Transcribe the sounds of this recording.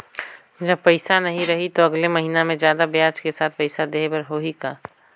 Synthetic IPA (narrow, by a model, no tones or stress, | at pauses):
d͡ʒɐb̚pɐɪsanɐɦĩɾɐɦit̪oɐɡlemɐɦiːnamẽd͡ʒjaːd̪abjaːt͡ʃkesaːt̪̚ʰpɐɪsad̪eːbɐɾɦoɦikaː